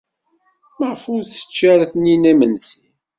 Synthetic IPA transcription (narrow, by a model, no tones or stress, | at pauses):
məʁfuɾθə̥t͡ʃːæɾθninæmənsin